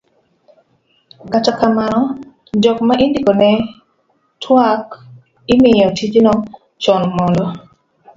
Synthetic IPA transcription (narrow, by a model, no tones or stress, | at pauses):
katakamanɔ | d͡ʒɔkmaʔindikɔnɛ | tʰwak | imɪjɔtʰid͡ʒinɔ | t͡ʃɔnmɔldɔ